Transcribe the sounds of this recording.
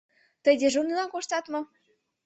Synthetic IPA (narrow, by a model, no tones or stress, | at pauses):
t̪ə̆jd̪ʲĕʒunilɑnkoʃt̪ɑt̪mɤ̆